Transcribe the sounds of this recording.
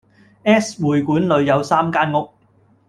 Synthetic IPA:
ʔɛː˥swuː˨jkuː˨˥nlɵ˨˧ɥjɐ˨˧wsaː˥mkaː˥nŋʊ˥k̚

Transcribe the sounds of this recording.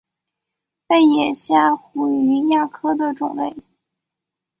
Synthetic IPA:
pe˥˩ɪjɛ˨˩ɕja˥˩xu˧˥y˧˥ja˥˩kʰɤ˥d̪ə˨ʈ͡ʂʊ̰˨˩ŋlḛ˥˩ɪ

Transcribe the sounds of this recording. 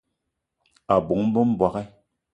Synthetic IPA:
a˨bo˨˦ŋm̩˦bə˦m̩˦bwa˨kɛ˦

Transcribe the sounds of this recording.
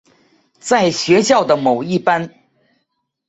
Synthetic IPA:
t͡sa˥˩ɪɕɥɛ˧˥ɕjɑ˥˩ʊd̪ə˩mo˨˩ʊi˥˩pa˥n

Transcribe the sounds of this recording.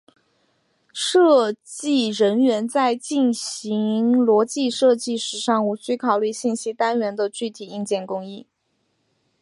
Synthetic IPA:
ʂɤ˥˧t͡ɕi˥˩ɻə˧˥nɥɛ˧˥nt͡sa˥˧ɪt͡ɕi˥˩nɕi˧˥ŋlwɔ˧˥t͡ɕi˥˧ʂɤ˥˧t͡ɕi˥˩ʂɻ̩˧˥ʂɑ˥˧ŋu˧˥t͡ɕy˥kʰɑ˨˩ʊly˥˧ɕi˥˩nɕi˥t̪a˥nɥɛ˧˥nd̪ə˧t͡ɕy˥˩t̪ʰi˨˩i˥˧ŋt͡ɕjɛ˥˩nkʊ˥ŋi˥˩

